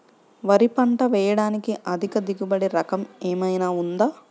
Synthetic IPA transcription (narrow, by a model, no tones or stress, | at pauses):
ʋɐɾipɐɳʈɐʋɛːjɐɽaːnikiʔɐd̪ʱikɐd̪iɡubɐɽiɾɐkɐmeːmɐjnaːund̪aː